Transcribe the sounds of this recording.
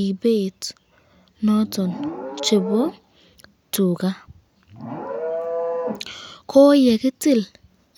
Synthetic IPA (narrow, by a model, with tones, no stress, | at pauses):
i˨be˦˨t | nɔ˦tɔ˨nt͡ʃe˨bɔ˦ | tu˨ka˦ | kʰo˦jɛ˨kɪ˦tɪ˦˨l